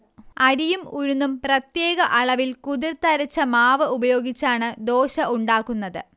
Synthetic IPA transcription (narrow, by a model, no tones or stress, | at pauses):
ɐɾijumuɻunːumprɐt̪je̞ːɡɐʔɐɭɐʋilkuðirt̪ɐɾɐt͡ɕːɐmaːʋɨubɐjo̞ːɡit͡ɕːaːɳɨd̪o̞ːɕɐʔuɳɖaːkːunːɐðɨ